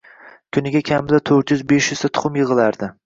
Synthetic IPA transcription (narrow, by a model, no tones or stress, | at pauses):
kʲʰʊnɪɡʲakʲʰamɪd̪at̪ʰɵɾt̪jʊzbeʃjʊzt̪at̪ʰʊ̥χʰʊmjɨʁɨlaɾd̪ɪ